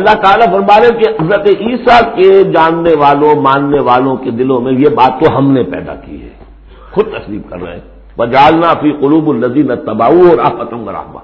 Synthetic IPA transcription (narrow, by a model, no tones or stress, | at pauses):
ɐlːaɦt̪aːlafɐɾmaːlẽkeɦɐzɾət̪iːsaked͡ʒaːnːeʋaːlõmãːnːeʋaːlõked̪ɪlõmẽjebaːt̪ːoɦɐmnepɛ̰ːd̪a̰kḭɦɛ̰ː | xʊd̪̚t̪ɐslḭːbkɐ̰ɾːɐ̰ɦḛ̃ | ʋɐd͡ʒaːlnaːfiːqʊluːbʊlːɐziːnɐt̪ːɐbaːuɔːɾaːbɐt̪əmɡɐɾa̰ːɦma̰ː